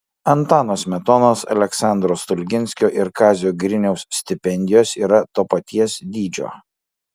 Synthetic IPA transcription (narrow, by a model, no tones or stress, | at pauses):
ɐnt̪ɑːnoːsmʲɛt̪ɔnoːsɐ̰lʲɛksɑˑnd̪ɾoːst̪ʊlʲɡʲɪnʲsʲkʲoːʔɪɾkɑːzʲjoːɡɾʲɪnʲɛʊssʲt̪ʲɪpʲɛnʲd̪ʲɪjoːsiːɾɐt̪oːpɐt̪ʲiɛsd̪ʲiːd͡ʒʲo̰ː